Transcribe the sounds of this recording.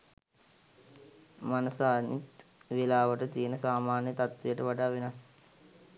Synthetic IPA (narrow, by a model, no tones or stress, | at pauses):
manusaːnit̪ʋilaːʋəʈət̪iənəsaːmaːnjət̪at̪ʋijəʈəʋaɖaːʋenas